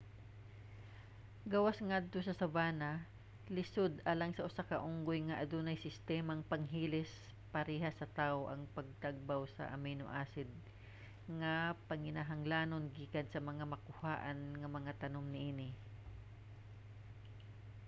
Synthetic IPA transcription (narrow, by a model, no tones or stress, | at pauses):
ɡawasŋad̪̚t̪osɐsɐbaːnɐ | lɪsod̪ʔaːlɐŋsɐʔʊsakɐʔuŋɡojŋɐʔɐd̪unɐjsɪst̪ɛːmaŋpɐŋɦiːlɪs | pɐɾɛːɦasɐt̪aʔoʔɐŋpɐɡ̚t̪aɡ̚bawsɐ̰ʔɐ̰mɛno̰ʔaːsɪd̪̚ | ŋɐpɐŋɪnaɦɐŋlaːnonɡiːkɐnsɐmɐŋamɐkʊhaːʔɐnŋɐmɐŋat̪ɐnomnɪʔiːnɪ